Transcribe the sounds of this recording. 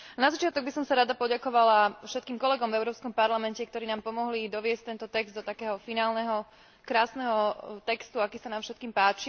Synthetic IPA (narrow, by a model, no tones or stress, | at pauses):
nazat͡ʃɪat̪ɔɡ̚bisɔmsaɾad̪apɔɟakɔʋalafʃɛt̪kiːmkɔlɛɡɔmvɛʊɾɔːpskɔmpaɾlamɛncɛkt̪ɔɾiːnaːmpɔmɔɦlid̪ɔʋɪɛsc̚t̪ɛnt̪ɔt̪ɛɡzd̪d̪ɔt̪akɛːɦɔfinaːlnɛɦɔ | kɾaːsnɛɦɔt̪ɛkst̪uakiːsanaːmfʃɛt̪̚kiːmpaːt͡ʃi